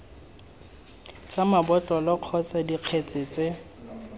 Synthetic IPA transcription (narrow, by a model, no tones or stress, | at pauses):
t͡samabɔtʼɔlɔq͡χʰɔt͡sʼadiq͡χʰet͡sʼɪt͡sʼe